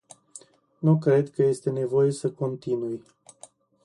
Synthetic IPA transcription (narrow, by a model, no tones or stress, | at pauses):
nuk̬ɾe̞d̪kəje̞st̪e̞ne̞vo̞je̞səko̞nt̪inuj